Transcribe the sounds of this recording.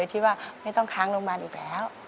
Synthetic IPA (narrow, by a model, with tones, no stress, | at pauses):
jt̪ʰiː˥˩waː˥˩ma˥˩jt̪ɔ˥˩ŋkʰaː˦˥ŋloː˧ŋmaː˧nʔiː˨˩k̚lɛ̰ː˦˥w